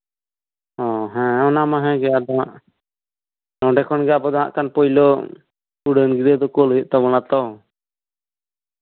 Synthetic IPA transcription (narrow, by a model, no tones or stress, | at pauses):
ɔ̃ɦɛ̃ɔnamaɦɛ̃ɡɛad̪ɔɦaʔ | nɔ̃ɖɛkʰɔnɡɛabɔd̪ɔɦa̰ʔkanpɔjlɔ | uɽənɡiɾəd̪ɔkɔlɦit̪ʔ̚t̪abɔnat̪ɔ